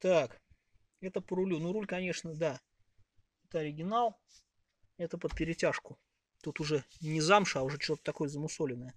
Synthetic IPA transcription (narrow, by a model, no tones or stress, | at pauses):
t̪ak | ɛt̪əpəɾʊlʲunuɾulʲkɐnʲe̞ʂnəd̪a | ɛt̪əɐɾʲɪɡʲɪnalˠ | ɛt̪əpəpʲɪɾʲɪtʲaʂkʊ | t̪ut̪ʊʐɛnʲɪzamʂaʊʐɛt͡ɕt̪ʲo̞t̪ət̪ɐko̞jəzəmʊsolʲɪnːəjə